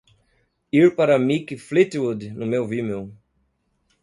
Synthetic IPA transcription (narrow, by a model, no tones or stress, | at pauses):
iɾpaɾɐmikɪflit̪wud̪nʊmewvimew